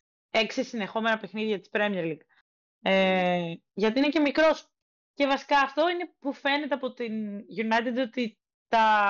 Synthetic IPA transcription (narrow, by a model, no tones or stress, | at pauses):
eksisine̞xo̞me̞nɐpe̞xniðʝɐt̪i̥spɾemieɾliɡ | e | ʝɐt̪iinece̞mikɾo̞s | ce̞vɐsi̥kɐːft̪o̞ine̞pufe̞ne̞t̪e̞ɐpo̞t̪inʝunɐjt̪ed̪o̞t̪i | t̪ɐ